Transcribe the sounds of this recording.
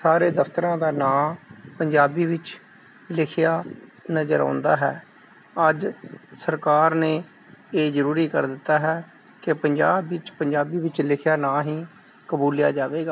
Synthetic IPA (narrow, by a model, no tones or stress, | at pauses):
saːɾeːd̪əpʰt̪əɾãːd̪aːnaːmpəɲd͡ʒaːbiːʋɪt͡ʃ | lɪkʰɪjaːnəzə̰ɾa̰ːnd̪a̰ːɦɛ̰ː | əd͡ʒsəɾkaːɾneː | eːzəɾuːɾiːkə̰ɾd̪ɪt̪ːaːɦɛː | kepəɲd͡ʒaːbɪt͡ʃpəɲd͡ʒaːbiːʋɪt͡ʃlɪkʰɪjaːnaːɦĩː | kəbuːlja̰ːd͡ʒaːʋeːɡaː